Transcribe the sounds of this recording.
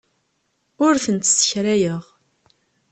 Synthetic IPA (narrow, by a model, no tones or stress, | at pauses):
ʊɾθənt̪sə̥çɾæjəʁ